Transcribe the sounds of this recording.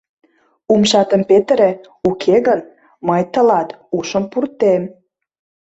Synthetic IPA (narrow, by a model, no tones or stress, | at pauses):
umʃɑt̪ə̆mpet̪ɾe | ukʰeɣən | mɤjt̪ə̆lɑt̪uʃə̆mpurt̪em